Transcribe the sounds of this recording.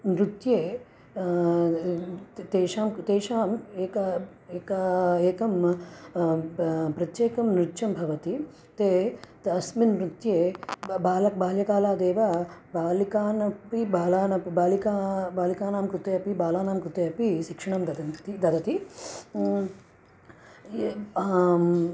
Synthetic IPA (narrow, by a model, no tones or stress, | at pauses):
nɾut̪jeː | t̪eːʃaːmt̪eːʃaːmeːkɐ | eːkɐeːkɐm | pɾɐt̪jeːkɐmnɾut̪ːʃɐmbʱɐʋɐt̪i | t̪eːt̪ɐsminɾut̪jeːbaːlɐbaːljɐkaːlaːd̪eːʋɐbaːlikaːnɐpibaːlaːnɐpbaːlikaːbaːlikaːnaːmkɾut̪ejɐpibaːlaːnaːmkɾut̪eɐpiʃikʂɐɳɐmd̪ɐd̪ɐt̪id̪ɐd̪ɐt̪i